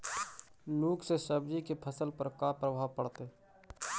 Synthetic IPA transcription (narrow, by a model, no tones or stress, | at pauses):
loːksesəbd͡ʒikepʰəsəlpəɾkaːpɾəbʱaːʋpəɽt̪e